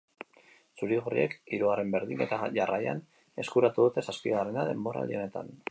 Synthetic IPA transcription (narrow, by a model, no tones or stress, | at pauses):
suɾiɣorḭe̞kiɾuɣ̞are̞mbe̞ɾðine̞t̪aʝarʔaja̰n | e̞skuɾat̪uðut̪e̞saspiɣarenaðe̞mbo̞ɾa̰lio̞ne̞t̪a̰n